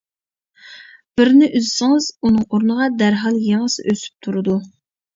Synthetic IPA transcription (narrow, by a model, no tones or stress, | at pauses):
b̥ɪɾnɪʔyzɪsɪŋɨz̥unɨŋoɾnəʁɑd̪æɾɦɑlˠjeŋəsɨʔøsy̥p̚t̪ʰuɾɨd̪u